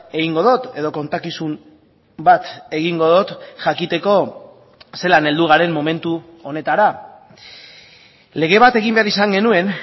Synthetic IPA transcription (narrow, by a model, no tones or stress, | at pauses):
e̞ɣiŋɡo̞ðo̞t̪e̞ð̞o̞ko̞nt̪akisum | bat̪e̞ɣiŋɡo̞ðo̞t̪ʝakit̪e̞ko̞ | se̞lane̞ld̪uɣ̞aɾe̞mːo̞me̞nt̪u | one̞t̪aɾa | le̞ɣ̞e̞βat̪e̞ɣimbe̞aɾisaŋɡe̞nue̞n